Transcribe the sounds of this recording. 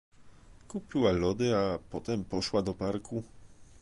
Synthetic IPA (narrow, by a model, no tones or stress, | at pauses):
kupʲiwalɔd̪ɘapɔt̪ɛmpɔʂwad̪ɔpaɾkʰu